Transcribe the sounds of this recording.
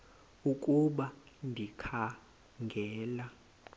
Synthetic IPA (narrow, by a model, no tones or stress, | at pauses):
ukʼuɓandʱikʰa | ŋɡʱɛːla